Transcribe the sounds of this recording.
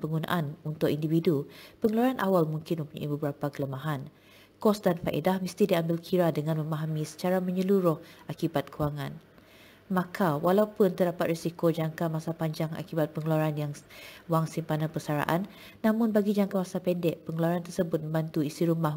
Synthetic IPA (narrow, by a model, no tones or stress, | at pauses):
pəŋɡunã̰ʔanunt̪ʊkindividupəŋəluaɾanʔawalmuŋkɪnməmpuɲa̰ʔibəbəɾapakələmaɦan | kɔsdanfaʔḛdahməst̪idiambɪlkʰiɾadəŋãnmə̃maɦamĩsə̥t͡ʃaɾamə̃ɲəluɾʊhʔakibat̪̚kuwaŋãn | makʰawalaupʊnt̪ərdapat̪̚risikod͡ʒaŋkamasapaɲd͡ʒaŋa̰kibat̪̚pəŋəluaɾanjaŋwaŋsimpananpərsaɾa̰ʔa̰nː | amʊ̃nbaɡid͡ʒaŋkamasapɛndɛʔ̚pəŋəluaɾant̪ərsəbʊt̪̚mə̃mbant̪uisiɾumah